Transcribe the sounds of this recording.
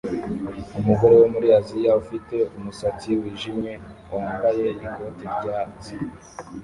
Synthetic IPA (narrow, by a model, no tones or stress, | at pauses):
umuɡo̞ɾowomuɾiazijaufite̞umusat͡siwiːʒimɲe̞wʔaːmbaje̞iko̞ːtiɾvɟaːt͡si